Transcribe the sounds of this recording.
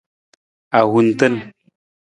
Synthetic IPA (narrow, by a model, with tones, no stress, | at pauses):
a˨ɣu˨n˦tə˦n